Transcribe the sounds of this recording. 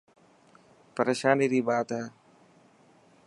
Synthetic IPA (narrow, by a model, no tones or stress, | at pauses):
pəɾeːʃaːniːɾiːɓaːt̪ɦɛː